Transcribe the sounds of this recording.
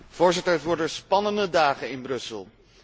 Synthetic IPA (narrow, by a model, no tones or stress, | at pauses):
v̥ʊːɹzɪtəɹʋɔɹdəspɑnəndədaːχənɪnbrɵsəlˠ